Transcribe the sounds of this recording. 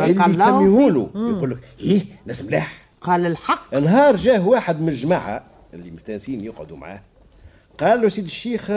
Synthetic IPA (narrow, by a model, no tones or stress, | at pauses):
ʔɪlijsæmːihuːnujquːlːəkhiːnæsmlaːħ | qɑːllħɑqːʔənɦɑːɾˤʒæːhwaːħəd̪mɪʒmaʕa̰ | ʔɪlːimʊst̪ænsiːnjəqʕod̪umʕa̰ːh | qɑːlːwæsiːd̪əʃːiːx